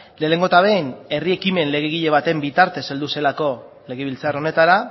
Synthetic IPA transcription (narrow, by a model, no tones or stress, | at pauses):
le̞le̞ŋɡo̞t̪aβene̞rie̞kime̞nle̞ɣ̞eɣ̞iʎe̞βat̪e̞mbit̪aɾt̪e̞sald̪use̞lako̞ | le̞ɣ̞eβ̞ilt͡saro̞ne̞t̪aɾa